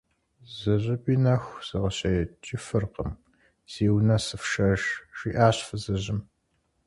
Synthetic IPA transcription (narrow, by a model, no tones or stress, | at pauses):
zɨʑɨpʼiːnɐxʷz̥ɨʁəɕɐjɛt͡ʃʼɪfɨrqəm | z̥iːwnɐsɨfʂɐʒʂiːʔaːɕfɨzɨʑɪm